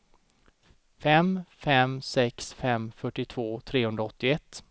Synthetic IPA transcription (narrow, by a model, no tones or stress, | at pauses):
fɛmfɛmsɛksfɛmfœʈːɪt̪ʰvoːt̪ʰɾeːhɵnɾaɔt̪ːɪɛt̪ː